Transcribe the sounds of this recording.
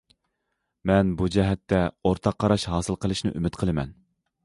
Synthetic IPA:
mɛnbud͡ʒɛɦɛt̪ʰːɛoɾt̪ʰɑqʰːɑɾɑʃɦɑːsɨlˠqəlˠɨʃnɨ̰ʔymɪt̪qʰəlˠɨmɛn

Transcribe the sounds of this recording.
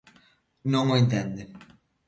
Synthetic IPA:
noŋoint̪ɛnd̪e

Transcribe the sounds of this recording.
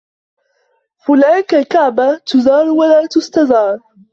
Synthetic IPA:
fʊlaːnkalkaʕbat̪ʊzɑːɾˤwalaːt̪ʊst̪aðɑːɾˤ

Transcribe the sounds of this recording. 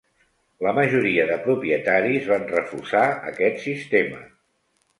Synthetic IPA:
ləməʒuɾiəðəpɾupiət̪aɾizβanrəfusaə̰kɛt̪sist̪emə̰

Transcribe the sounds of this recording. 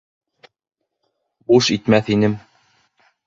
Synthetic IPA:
buʃit̪mæθinɘm

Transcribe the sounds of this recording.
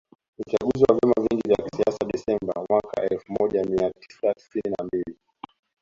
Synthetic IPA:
ut͡ʃaɠuziwavjɛmaviŋɡivjaki̥siasaɗɛsɛmba̰mwaka̰ʔɛlfumɔʄamiatʰi̥sati̥sininambili

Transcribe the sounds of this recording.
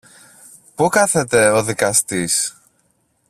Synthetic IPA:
pukɐθe̞t̪e̞oðikɐst̪is

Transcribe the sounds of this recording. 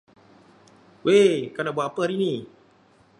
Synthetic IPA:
wekanabuaʔpəaɾini

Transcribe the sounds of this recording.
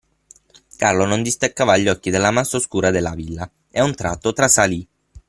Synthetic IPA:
karlonond̪ist̪akːaːvaʎːɔkːid̪elːamasːaoskuːɾad̪elːavilːa | eaunt̪ɾa̰t̪ːot̪ɾasali

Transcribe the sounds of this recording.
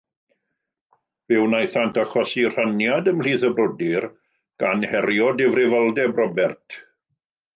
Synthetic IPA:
vɪwnajθantʰaχɔsir̥anjadəml̥iːθəbrʊdɪr | ɡ̥anhɛrjɔdɪvrɪvalˠdɛbrɔbɛrtʰ

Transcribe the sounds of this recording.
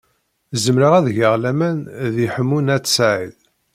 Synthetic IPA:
zəmɾəʁæðʝəʁlæmænðiħəmːunæt͡sːsʕið

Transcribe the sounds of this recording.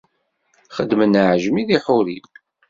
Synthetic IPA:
χəd̪ːmənəʕʒəmiðiħʊɾin

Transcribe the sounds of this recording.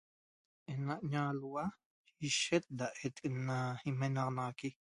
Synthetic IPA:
ʔenaʔɲaluwa | iʃet̪̚d̪aʔet̪ʼenːaimenɑqnɑʁaki

